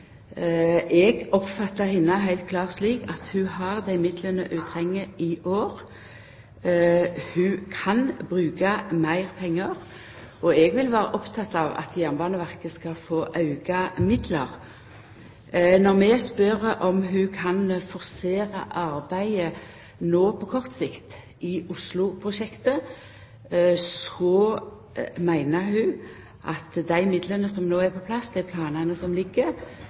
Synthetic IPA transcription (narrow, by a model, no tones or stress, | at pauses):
ʔɛɡɔpfɑt̪ːəhɪnːəɦæɪlt̪̚kʰlɑːʁsliːkɑt̪hʉhɑʁd̪æɪmɪd̪lənə̰ʔʉːt̪ʰʁɛŋːəɪʔoːʁ | hʉːkʰɑnbʁʉːkɑmæɪʁpʰɛŋːəʁ | ɔɛɡʋɪlʋæːɾə̰ʔɔpt̪ʰɑt̪ːɑʋɑ̰t̪jɑnmbɑːnəʋæʁkəskɑfoːʔɑʉɡɑmɪd̪ləʁ | nɔʁmɛspœɾəʔɔmɦʉkʰɑnfɔʁseːɾɑ̰ʔɑɾbæɪə | noːpʰɔkʰɔʁt̪sɪkt̪ | ʔɪʔʊslʊpʰʁʊʃɛkt̪ə | sɔ | mæɪnəhʉː | ʔɑt̪d̪æɪmɪd̪lənəsɔmnoːæɾpʰɔpʰlɑsd̪æɪpʰlɑːnənəsɔmlɪɡːə